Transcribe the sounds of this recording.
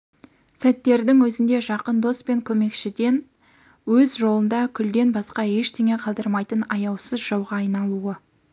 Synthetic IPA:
sæt̪ːe̞ɾd̪ɪŋwɵzɪnd̪e̞ʒɑqənd̪o̞spe̞ŋkʲʰɵme̞kʃɪd̪e̞n | wɵzʒo̞lˠənd̪ɑkʲʰʏld̪e̞nbɑsqɑe̞ʃt̪ʰeŋe̞qʰɑlˠd̪əɾmɑjt̪ənɑjɑwsəzʒɑwʁɑːjnɑlˠuə

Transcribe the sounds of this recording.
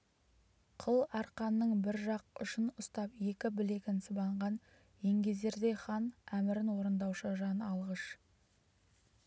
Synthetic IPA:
qʰəlˠɑɾqɑnːəɴbɪɾʒɑq̚ʏʃɪnʊst̪ɑpje̞kʲɪbɪle̞kʲɪnsəbɑɴʁɑn | jeŋɡʲe̞ze̞ɾd̪e̞χɑnæmɪɾɪnwo̞ɾənd̪ɑwʃəʒɑnɑlˠʁəʃ

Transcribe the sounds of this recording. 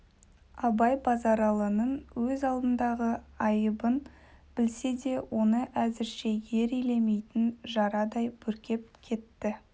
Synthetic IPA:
ɑbɑjbɑzɑɾɑlˠənənwɵzɑlˠd̪ənd̪ɑʁəɑjəbən | bɪlse̞d̪e̞wʔo̞nəʔæzɪɾʃe̞je̞ɾijle̞me̞jt̪ɪnʒɑɾɑd̪ɑjbʰɵɾkʲe̞p̚kʲʰe̞t̪ːɪ

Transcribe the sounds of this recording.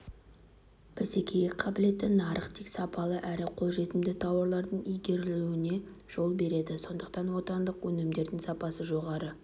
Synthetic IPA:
b̥ese̞kʲʰe̞jekqʰːɑbɪle̞t̪ːɪnɑɾəqt̪ʰeksɑpɑlˠəʔæɾɪqʰo̞lˠʒe̞t̪ɪmd̪ɪt̪ʰɑwɑɾlˠɑɾd̪əɴijɡʲe̞ɾɪluɪne̞ | ʒ̥o̞lˠbe̞ɾe̞d̪ɪso̞nd̪əqt̪ɑnwo̞t̪ɑnd̪əqwɵnɪmd̪e̞ɾd̪ɪŋsɑpɑsəʒo̞ʁɑɾə

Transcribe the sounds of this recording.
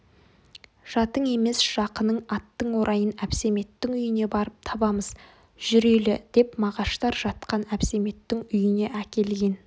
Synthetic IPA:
ʒ̥ɑt̪əɴe̞me̞sʒ̥ɑqənəɴɑt̪ːəɴwo̞ɾʔɑjənæpse̞me̞t̪ːɪŋʏjɪne̞bɑɾəp̚t̪ʰɑbɑməz̥ | ʒ̥ʏɾelɪd̪̥e̞pmɑʁɑʃt̪ɑɾʒɑt̪qɑnæpse̞me̞t̪ːɪŋʏjɪne̞ʔækʲe̞lɡʲe̞n

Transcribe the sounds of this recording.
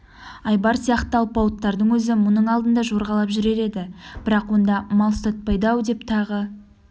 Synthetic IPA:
ɑjbɑɾsijɑqt̪əɑlˠpɑwət̪ːɑɾd̪əɴwɵzɪmʊnəɴɑlˠd̪ənd̪ɑʒo̞ɾʁɑlˠɑpʒʏɾe̞ɾe̞d̪ɪb̥ɪɾɑqwo̞nd̪ɑmɑlˠst̪ɑt̪̚pɑjd̪ɑwd̪e̞pt̪ʰɑʁə

